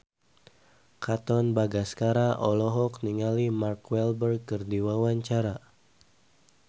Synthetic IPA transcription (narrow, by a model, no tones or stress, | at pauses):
kat̪ɔnbaɡaskaɾaʔɔlɔɦɔkniŋalimarkwɛlbər̚kərdiwawaɲt͡ʃaɾa